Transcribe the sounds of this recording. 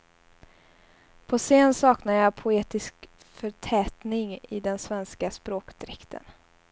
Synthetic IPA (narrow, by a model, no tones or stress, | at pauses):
pʰɔseːnsɑːknaəjɑpʰʊeːt̪ɪsk | fœʈʰɛːt̪nɪŋɪ̰d̪ɛnsvɛnskaspɾoːkd̪̥ɾɛkt̪ʰə̰n